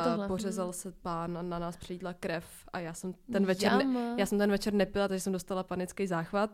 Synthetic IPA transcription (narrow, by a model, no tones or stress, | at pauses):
porɛzalsɛpaːnananaːspr̥iːdlakɾɛf | ajaːsɛmt̪ɛnvɛt͡ʃɛɾnjaːsɛmt̪ɛnvɛt͡ʃɛɾnɛpɪlat̪aɡʒɛsɛmdo̞st̪alapanɪt͡skejzaːxvat̪̚